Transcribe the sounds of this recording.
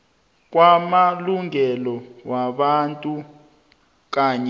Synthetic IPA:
k̬wamaluŋɛlɔwaɓantʼu | k̬aːɲɛ

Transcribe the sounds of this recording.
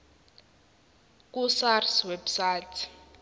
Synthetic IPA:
k̬usarswebsatʰi̥

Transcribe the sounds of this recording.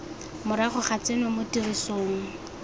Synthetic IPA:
mʊɾaχʊχat͡senʊmʊtʼirisoːŋ̩

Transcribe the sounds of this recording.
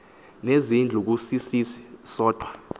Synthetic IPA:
nezind͡ɮʱuk̬usisisi̥sɔːd̥ʱwa

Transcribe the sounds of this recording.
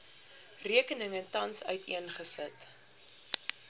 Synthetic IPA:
riəkənəŋətːɐnsœ̰ɥtiənχəsət

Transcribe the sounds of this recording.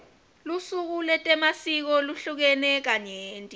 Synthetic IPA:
lusuk̬ulɛtʼɛmasik̬ɔluɬuk̬ɛnɛk̬aɲeːntʼi

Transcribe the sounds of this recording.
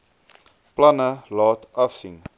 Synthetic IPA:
plɐnəlɑːtɐfsḭŋ

